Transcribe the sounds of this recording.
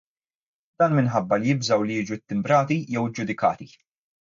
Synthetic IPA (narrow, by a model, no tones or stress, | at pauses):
d̪̥ɐːnmɪnħɐbːɐlijɪbzɐwlijiːd͡ʒut̪ːɪmbɾɐːt̪ijɛwɪd͡ʒːʊd̪ɪkɐ̰ːt̪i